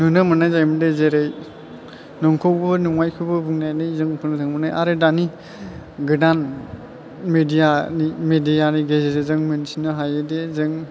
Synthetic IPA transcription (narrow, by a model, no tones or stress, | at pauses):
nɯnɯmɯnajzajmɯdezeɾej | nɔŋkʰɔwbɔnuŋajkʰɯbɯbuŋnajnɯjzɯŋpʰɯntʰɯŋbɯna̰jʔaɾɯdani | ɡɯdan | medijanimedijaniɡezezezɯŋmɯnsinɯɦajɯdezɯŋ